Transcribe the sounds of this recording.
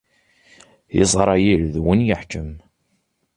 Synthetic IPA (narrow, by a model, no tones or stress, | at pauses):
ḭzˤɾˤɑjilðwənjəħd͡ʒəm